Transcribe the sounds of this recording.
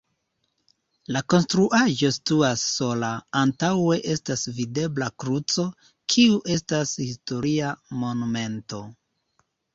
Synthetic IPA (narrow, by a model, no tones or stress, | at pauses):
lako̞nstɾuʔaʒo̞stuasːo̞laːntawe̞ʔe̞stasvide̞blakɾut͡so̞ | kʰiuʔe̞stashisto̞ɾiamo̞nume̞nto̞